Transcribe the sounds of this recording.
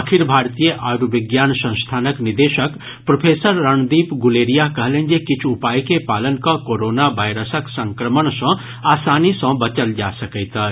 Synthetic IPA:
kʰɪɾbʱaːɾt̪ijəʔaɾʋɪɡjaːnsə̃ñst̪ʰaːnəknɪd̪eːʃək | pɾɐpʰeːsəɾːəɳ̃d̪iːpɡʊleːɾijakɐɦlẽːnd͡ʒekɪt͡ʃʰʊpaːjkepaːlənkakoːɾoːnaʋaːɪɾəsəksə̃ŋkɾəməɳsə̃ | aːsaːnisə̃bɐt͡ʃəld͡ʒaːsəkət̪ə

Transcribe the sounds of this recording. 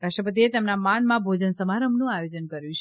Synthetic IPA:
ɾaʂʈɾəpət̪̬iet̪emnamanmãbʱod͡ʒənsəmaɾəmnũajod͡ʒənkəɾjũt͡ʃʰ

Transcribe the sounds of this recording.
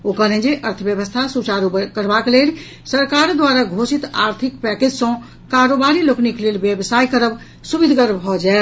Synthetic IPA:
okəɦlɛ̃d͡ʒeʔəɾt̪ʰəbjəbəst̪ʰasut͡ʃaɾukəɾbakelel | səɾkaɾd̪waɾaɡʱosit̪a̰ɾt̪ʰikpɛked͡ʒsə̃ | kaɾobaɾilokniklelbjebsajkəɾəb | subid̪ʱɡəɾbʱɔd͡ʒae

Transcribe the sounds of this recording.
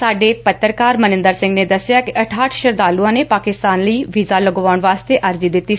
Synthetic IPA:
saːɖeːpət̪ːɾkaːɾmənɪ̃nd̪əɾsɪ̃ŋɡned̪əsɪjaːkɪʔɐʈʰaːʈʰʃəɾd̪aːluãːneːpaːkɪst̪aːnləiːʋizaːləɡʋaːʊɳʋaːst̪eʔəɾd͡ʒiːd̪ɪt̪ːiː

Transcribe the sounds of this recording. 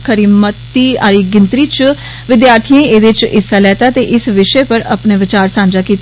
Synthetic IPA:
kʰəɾiːmət̪ːiːaːɾiːɡɪnt̪ɾiːt͡ʃ | ʋɪd̪jaːɾt̪ʰiẽeːd̪ɪt͡ʃɪsaːlɛːt̪aːt̪eːʔɪsʋɪʃəepəɾəpneːʋɪt͡ʃaːɾsãːɲd͡ʒaːkiːt̪

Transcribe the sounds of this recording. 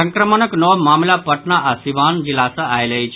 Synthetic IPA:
əŋkɾəmənəknɔʋmamlapəʈɳaʔasiʋaːnd͡ʑilasəajləit͡ɕ

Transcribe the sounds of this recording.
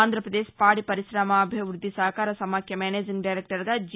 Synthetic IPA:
aːnd̪ʱɾɐpɾɐd̪eːʃpaːɽipɐɾiɾaːmɐːbʱiʋɾud̪ʱːisɐɦɐkaːɾɐsɐmaːkʰjɐmeːneːd͡ʒiŋɡɖɐjɾek̚ʈɐɾɡ̪ɐd͡ʒ

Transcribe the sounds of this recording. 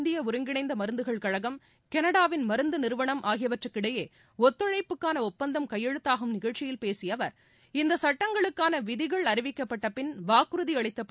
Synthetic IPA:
nd̪ɪjɐʊɾɯŋɡɪɳɐɪnd̪ɐmɐɾɯnd̪ɯɣɐɭkɐɻɐɣɐm | kɛnɐɽaːʋɪnmɐɾɯnd̪ɯnɪɾɯʋɐɳɐmʔaːɣɪjɐʋɐʈrɯkːɪɽɐjeː | ɔt̪ːɯɻɐɪpːɯkːaːnɐɔpːɐnd̪ɐmkɐjːɛɻɯt̪ːaːɣɯmnɪɣɐɻt͡ʃːɪjɪlpeːsɪjɐʋɐɾ | ɪnd̪ɐsɐʈːɐŋɡɐɭɯkːaːnɐʋɪðɪɣɐɭɐɾɪʋɪkːɐpːɐʈːɐpɪnʋaːkɯɾɯðiɐɭɪt̪ːɐpː

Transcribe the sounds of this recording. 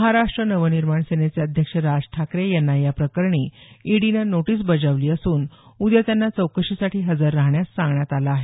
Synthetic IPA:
məɦaɾaʂʈɾənəʋəniɾmaɳsenet͡sjaəd̪ʱjəkʂəɾad͡zʈʰakɾejanːajapɾəkəɾɳiːiɽinanoʈiːs̬bəd͡zaʋliːəsuːnud̪jat̪janːat͡səwkəɕisaʈʰiːɦəd͡zaɾːaɦɳjast͡sãŋɡɳjat̪alaːɦe

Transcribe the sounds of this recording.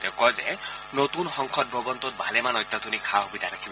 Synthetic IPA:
tɛkɔzɛ̰ | notunxɔŋkʰɔt̚bʱɔbɔntɔt̚bʱalɛmanɔjt̪ːat̪ʰunikʰaxobidʱaɾakʰibɔ

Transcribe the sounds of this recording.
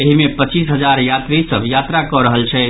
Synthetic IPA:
eɦimepət͡ʃis̬ɦəd͡ʒaɾjat̪ɾisəbʱjat̪ɾakɔɾəɦəlt͡ʃʰɛ

